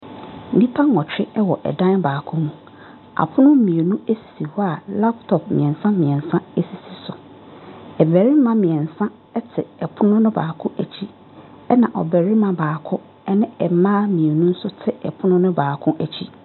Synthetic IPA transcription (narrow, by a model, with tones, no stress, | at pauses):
nĩ˦pʰa˦ŋ˨ɔ˨t͡ɕʰᶣɪ˦ɛ˦wɔ˨ʔɛ̰˨dã˦nbaː˨kʰʊ̃˦nũ˨ | a̰˨pʰʊ˦nʊ̃˦mĩ˨e˨nũ˦e˦si̥˨si˨wɔ˦a˨la˦ptʰɔ˨p̚mḭ̃˨ɛ̃˨nsã˦mĩ˨ɛ̃˨n˨sã˦e˦si˨si˨sʊ˨ | ɛ˨bæ˨ɾɪ˦mã˦mĩ˨ɛ̃˨nsã˦ | ɛ˦tʰɪ̰˨ɛ˨pʰʊ˦nʊ̃˦nʊ̃˦baː˨kʰʊ̃˦ʔæ˨t͡ɕʰi˦ | ɛ˦nã˨ʔɔ̰˨bɛ˨ɾɪ˦mã˨baː˨kʰʊ˦ | ɛ˦nɪ̃˦ɛ˨˦mãː˦mĩ˨e˨nũ˦n̩˦sʊ˦tʰɪ˦ɛ̰˨pʰʊ˦nʊ̃˦nʊ̃˦baː˨kʰʊ̃˦ʔæ˨t͡ɕʰi˦